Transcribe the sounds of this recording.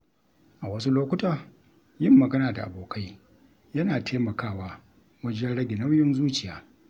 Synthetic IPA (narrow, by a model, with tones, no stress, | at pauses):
ʔa˨wɐ˦su˦loː˦kʷʊ˦tʼa˨ | jɪ˦˨mːɐ˨ɡɐ˦naː˨da˨ʔa̰˨boː˨kʰa˦j | jɐ˦naː˨tʰeː˦mɐ˨kaː˦˨waː˦ | wɐ˦d͡ʒɛ˦nɽɐ˦ɡʲɪ˨nɐ˦wjɪ˦nzuː˦t͡ʃɪ˨jaː˦